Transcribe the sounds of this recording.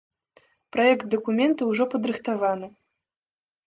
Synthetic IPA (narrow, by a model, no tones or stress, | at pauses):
pɾajɛkt̪̚d̪ɐkumʲɛnt̪ɐwʐɔpɐd̪ɾɨxt̪avanɨ